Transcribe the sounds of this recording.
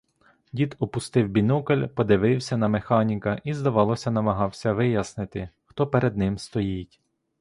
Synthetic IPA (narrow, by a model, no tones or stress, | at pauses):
dʲit̪ɔpʊst̪ɪwbʲinukɐlʲpɔd̪ɪʋɪwsʲɐnɐmexɑnʲikɐʔizd̪ɐʋɑlˠɔsʲɐnɐmɐɦɑwsʲɐʋɪjɐsnɪt̪ɪxt̪ɔpeɾed̪̚nɪmst̪ɔjitʲ